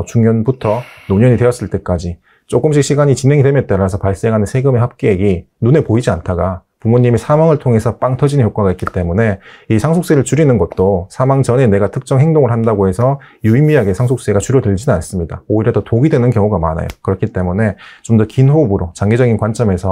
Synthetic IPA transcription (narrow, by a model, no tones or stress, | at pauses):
t͡ɕuŋjʌnbutʰʌnoɲʌɲidwe̞jʌs͈ɯɭt͈e̞k͈ad͡ʑi | t͡ɕ͈oɡɯmɕ̬͈ʰik̚ɕ͈ʰiɡaɲit͡ɕinɦe̞ŋidwe̞mjʌt͈aɾasʰʌpaɭs͈eŋɦanɯnsʰe̞ɡɯmeɦhap̚k͈eːɡi | nune̞poid͡ʑiantʰaɡa | pumoɲːimisʰamaŋɯɭtʰoŋe̞sʰʌp͈aŋtʰʌd͡ʑinɯnçjok͈waɡaitk͈it͈e̞mune̞isʰaŋsʰok̚s͈eɾɯɭt͡ɕuɾinɯnɡʌt̚t͈osʰamaŋd͡ʑʌne̞ne̞ɡatʰɯk̚t͡ɕ͈ʌŋɦeŋdoŋɯɭhandaɡoɦe̞sʰʌ | juimːiaɡe̞sʰaŋsʰok̚s͈e̞ɡat͡ɕuɾjʌdɯɭd͡ʑinɯnans͈ɯmɲida̰oiɾjʌdʌtoɡidwe̞nɯnkjʌŋuɡama̰na̰jo̰kɯɾʌkʰit͈e̞mune̞t͡ɕomdʌkinɸobɯɾot͡ɕaŋɡe̞d͡ʑʌɡinkwant͡ɕ͈ʌme̞sʰʌ